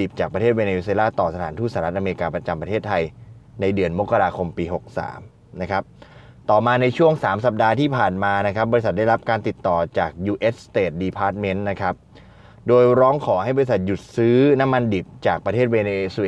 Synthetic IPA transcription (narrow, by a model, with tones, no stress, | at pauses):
i˨˩p̚t͡ɕaː˨˩k̚pɾʰeː˥˩t̪̚weː˧neː˧˥˩s̬eː˧laː˥˩t̪ɔː˨˩sa˧t̪ʰaː˩˦t̪ʰuː˥˩saː˨ɾa˦˥t̪ʔa˧e˧i˧kaː˧pɾa˧t͡ɕa˧mpɾa˧t̪ʰeː˥˩t̪ʰːa˧j | na˧jdɯ˧ənmo˦˥kːa˧ɾaː˧kʰo˧mpiː˧ɦo˨˩k̚sa̰ː˩˦m | na˦˥kʰa˦˥p̚ | t̪ɔː˨˩maː˧na˧jt͡ɕʰu˥˩əŋsaː˩˦msa˨˩p̚daː˧t̪ʰiː˥˩pʰaː˨˩nmaː˧na˦˥kʰɾa˦˥p̚bɔ˧i˦˥sa˨˩da˥˩jɾa˦˥p̚kaː˧nt̪i˨˩t̪ːɔː˨˩t͡ɕaː˨˩k̚juː˧ʔeː˦˥t̚st̪eː˨˩t̪̚diː˧pʰaː˦˥t̪̚me˦˥nna˦˥kʰa˦˥p̚ | doː˧jɾɔː˦˥ŋkʰɔː˩˦ha˥˩jbɔː˧ɾi˧sa˨˩t̪̚ju˨˩t̪̚sɯː˦˥na˦˥mːa˧ndi˨˩p̚t͡ɕaː˨˩k̚pɾa˧t̪ʰeː˥˩t̪̚weː˧ne˧ʔse˧